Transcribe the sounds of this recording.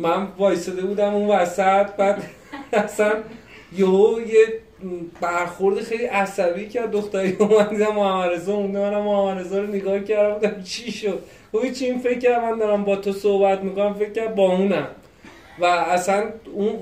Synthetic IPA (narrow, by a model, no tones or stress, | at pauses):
mænvɒːjsed̪ebuːd̪æmũnvæsæt̪bæd̪ | æsæn | joɦoje | bæɾxoɾd̪exe̞jliʔæsæbiːcʰæɾd̪̚ːoxt̪æɾejomænd̪iːd̪æmːohæmænezɔmund̪emænæmːohæmæɾezɒɾoneɡɒːhcæɾd̪æmbuːd̪æmt͡ʃʰiʃod̪̥̚ | ohit͡ʃʰiinfe̞cʰcːæɾd̪mænd̪ɒːɾæmbɒːt̪ʰosohbæt̪mikonæmfe̞cʰːæɾd̪̚bɒːũːnæm | væːsænun